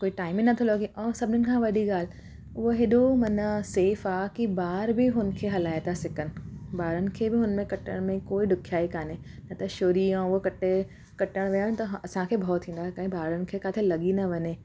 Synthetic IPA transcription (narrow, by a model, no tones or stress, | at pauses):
koːiʈaːɪminɐt̪ʰolɐɡiʔɔːɾsɐbʱɪnənɪ̆kʰãʋɐɗiɡaːl | ʊɦoɦeɗomɐnəseːfaːkibaːɾbɪɦʊn̆kʰeːɦɐlaːet̪asɪkənɪ̆baːɾənɪ̆kʰebɪɦʊnmẽkɐʈə̰ɽ̃mẽkoːiɖʊkʰjaːikaːnenɐt̪ɐʃoːɾiãokɐʈe | kɐʈəɽ̃ʋijəɽ̃t̪ɐɦɐsãkʰeːbʱɔːt̪ʰːĩːn̆d̪akɐ̃ɦĩbaːɾənɪ̆kʰekaːt̪ʰelɐɡinɐʋɐɲeː